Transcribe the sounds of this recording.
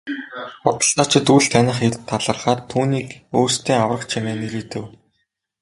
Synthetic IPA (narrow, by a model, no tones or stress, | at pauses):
ʊt̪ə̆ɬt̪ɔːt͡ɕɪ̆t̪uɮt̪ʰænʲɪ̆χet̪̆t̪ʰːaɮə̆rʁaːt̪ʰːuːniːkoːrst̪ʰeːŋawrə̆χt͡ɕʰimeːneɾet̪ɘ̆w